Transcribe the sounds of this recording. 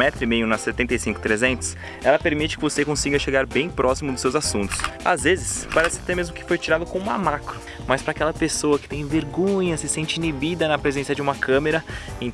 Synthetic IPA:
ɛt̪ɾʊimejʊnɐset̪ẽnt̪ejsĩŋkʊ̥t̪ɾezẽnt̪ʊ̥s | ɛlɐpeɾmit͡ʃɪ̥kɪvosekõsiɡɐʃeɡaɾbẽj̃pɾɔsimʊd̪ʊsewzasũnt̪ʊ̥sa̰zvezɪspaɾɛsɪ̥t̪emezmʊkɪ̥fojt͡ʃiɾad̪ɐkõũmɐ̰makɾʊ | mɐspɾakɛlɐpesowɐkɪ̥t̪ẽj̃veɾɡõɲɐsɪsẽnt͡ʃɪinibid̪ɐnɐpɾezẽsɐd͡ʒɪũmɐkʰɐ̃meɾɐẽ

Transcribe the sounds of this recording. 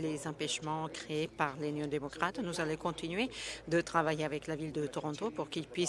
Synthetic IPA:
lezɑ̃pɛʃmɑ̃kχeepaʁlynjɔ̃d̪emɔkχat̪nuzalɔ̃kɔ̃t̪inɥed̪ət̪χavajeavɛklavild̪ət̪ɔʁɔ̃t̪opuʁkilpɥi

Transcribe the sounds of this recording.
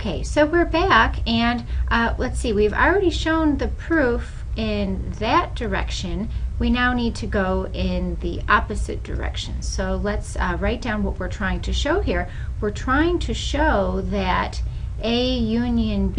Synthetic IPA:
kʰeɪsoʊwɪɹbækɨ̃nʔlətsiwivl̩ˠɹɛɾiʃõʊ̃nðɨpʰɹ̥uf | ɪ̃nðɨt̚d̥ə˞ɛ̰kʃɨ̃nwinaʊnid̚tʰɨɡoʊʔɪ̃nðḭʔɑpɨzɨ̰t̚d̥ə̰˞ɛ̰kʃɨ̰̃nsoʊlɨtsɹaɪt̚d̥ãʊ̃nwʌʔ̚wɨɹtʰɹ̥aɪɪ̃ŋtʰɨʃoʊɦiɹ | wɪɹtʰɹ̥aɪɪ̃ŋtʰɨʃoʊðɨɾɨjʉ̃njɨ̃nb

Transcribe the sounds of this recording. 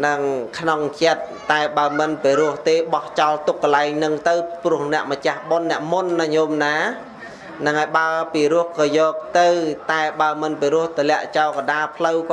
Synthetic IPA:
nɨŋkʰnoŋt͡ɕət̪̚ːaɛɓaəmɨnpiɾʊəht̪eːɓɑht͡ɕɑlt̪ukkːəlaɛŋnɨŋt̪ɨwprʊ̆əhnɛ̆əʔmət͡ɕahɓonːɛ̆əʔmunːaɲoːmnaː | nɨŋʔaɔːjɓaəpiːɾʊəhkɑːjɔːk̚t̪ɨwt̪aɛɓaəmɨnpiɾʊəht̪ʰolɛ̆əʔt͡ɕaɔlkaɗaːlpʰlɨwk

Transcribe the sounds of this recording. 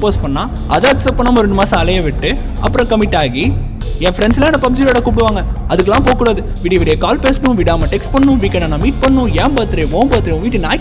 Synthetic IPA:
poːspɐɳːãː | ɐðãːtsɐpːɐnːaːmɐɾɛɳɖɯmaːsaːlɐjɐʋɪʈːɯ | ɐ̰pːɯɾɐ̃kɐmɪʈːaːɣi | ɛ̃ːfɾɛɳslãnɐpɐmɪd͡ʒɪloːɽɐkuːp̬ɪɽɯʋaːŋɡɐɐðɯkːɛlːãːpoːkːuːɽaːðɯ | ʋiːɽjɐʋɪɽɐjɐkaːlpeːsnʊ̃ʋɪɽaːmɐʈɛksʈpɐɳːʊ̃ʋiːkːɐnãːnãːmiːʈ̚pɐɳːʊ̃jɛ̃ːpaːɾt̪ːɪɾɐʋõːmpaːɾt̪ɪɾĩʋiːʈːɯnaː

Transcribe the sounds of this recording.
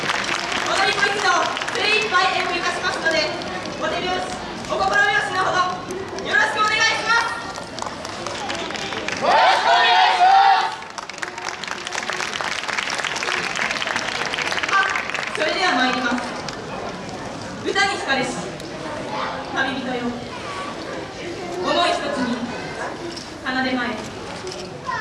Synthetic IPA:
od̪aɾʲimo̞it͡sɨd̪obeibaid̪ẽoikasɨ̥mako̥t̪ːod̪e̞ | ot̪eɾʲimas | okoboɾabeβasɨnahod̪o | jo̞ɾo̞ɕkɯ̟one̞ɡaiɕimas | oooɕkoneɡaiɕia | so̞ɾe̞d̪e̞β̞amaiɾʲimasɨ | ɡɯ̟t̪aɲ̟içi̥kad̪e̞sɨ̥ | mamʲibʲit̪ojo | omoiçi̥t̪ot͡sɨɲ̟i | kanad̪e̞mae

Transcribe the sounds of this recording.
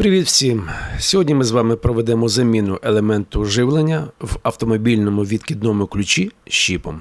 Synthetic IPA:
pɾɪʋʲit̪wsʲimsʲɔɦɔdʲnʲimɪzʋɑmɪpɾɔʋed̪ɛmɔzɐmʲinʊʔelˠemɛnt̪ʊʒɪwlˠenʲːɐwɐwt̪ɔmɔbʲilʲnɔmʊʋʲid̪kʲid̪nɔmʊklʲʊt͡ʃʲiʃːipɔm

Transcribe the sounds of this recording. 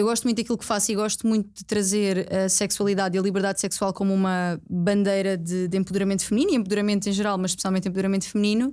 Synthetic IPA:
ewɣɔʃt̪mũt̪d̪ɐkilˠkfasiɣɔʃt̪umũj̃t̪̚ud̪ɨt̪ɾɐzeɾɐsɛkswɐlˠiðaðiɐlˠiβɨɾðaðsɛkswalˠkomuumɐβɐ̃nd̪ɐjɾɐðɨd̪ẽmpɨðuɾɐmẽnt̪ufɨmniniẽpuðuɾɐmẽnt̪ẽj̃ʒɨɾalˠmɐʃʃpɨsijalˠẽnt̪ẽpuðuɾɐmẽnt̪fɨmninu

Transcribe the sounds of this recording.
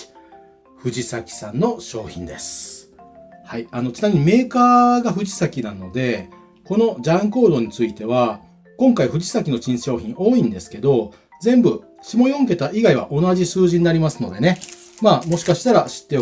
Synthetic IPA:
ɸɯ̟d͡ʑisakʲi̥sãnːo̞ɕo̞ːçḭ̃nd̪e̞sɨ̥ | haiano̞t͡ɕɨ̥inamʲiɲ̟ime̞ːkaːɡaɸɯ̟ʑisakʲinano̞d̪e̞ | ko̞no̞d͡ʑãŋko̞ːd̪o̞ɲ̟it͡sɨit̪e̞β̞a | kõ̞ŋkaiɸɯ̟ʑisakʲino̞t͡ɕĩɰ̃ɕo̞ːçĩŋʔo̞ːĩnd̪e̞sɨ̥ke̞d̪o̞ | d͡zẽ̞mbɯ̟ | ɕimo̞jõ̞ŋk̬e̞t̪aʔiɡaiβ̞a̰ʔo̞naʑisɨːʑĩɲ̟iːnaɾʲimasɨno̞̰d̪e̞ne̞ | maːmo̞ɕi̥kaɕi̥t̪aɾaɕi̥t̪ːe̞o

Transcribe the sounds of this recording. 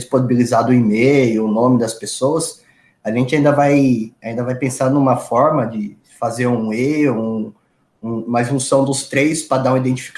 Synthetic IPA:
isponibilizad̪ʊʊimejʊʊnõmɪd̪ɐspesoɐs | aʒẽnt͡ʃɪãd̪ɐvajaĩnd̪ɐvajpẽsaɾnũmɐfɔɾmɐd͡ʒɪ | fazeɾũeũ | ũũmɐʒũsɐ̃w̃d̪ʊst̪ɾejspɾɐd̪aũid̪ẽnt͡ʃi̥fi̥k

